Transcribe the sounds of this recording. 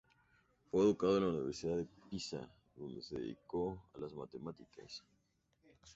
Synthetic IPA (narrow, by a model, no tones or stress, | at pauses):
fweːðukaðoenlauniβeɾsiðaðepisa̰ | ðo̞nd̪eseðeðḭkoalazmat̪emat̪ikʰa̰s